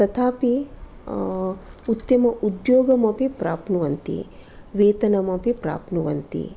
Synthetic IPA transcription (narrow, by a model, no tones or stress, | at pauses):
sɐt̪ʰaːpi | ut̪ːɐmɐʔud̪joːɡɐmɐpipɾaːpnuʋɐnt̪ḭ | ʋeːt̪ɐnɐmɐpipɾa̰ːpnuʋɐnt̪ḭ